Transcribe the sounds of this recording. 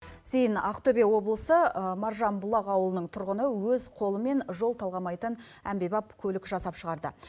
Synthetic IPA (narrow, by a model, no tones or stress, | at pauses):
se̞jɪnɑqt̪ʰobe̞wo̞blˠəsəmɑɾʒɑnbʊlˠɑqɑwəlˠənəɴt̪ʰʊɾʁənəwɵzqʰo̞lˠəme̞nʒo̞lˠt̪ʰɑlˠʁɑmɑjt̪ən | æmbe̞jbɑp̚kʲʰɵlɪkʒɑsɑpʃəʁɑɾd̪ə̰